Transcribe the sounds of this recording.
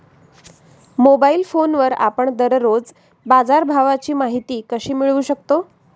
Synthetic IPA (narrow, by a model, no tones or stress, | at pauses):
mobailfonʋəɾa̰pəɳd̪əɾɾod͡z | bad͡zaɾbʱaʋat͡ɕiːmaɦit̪iːkəɕiːmiɭuːɕək̚t̪o